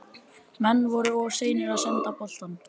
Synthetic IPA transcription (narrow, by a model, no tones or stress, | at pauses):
mɛnːvɔɾʏɔ̥seːjnɪɾaðsant̪apɔl̥t̪an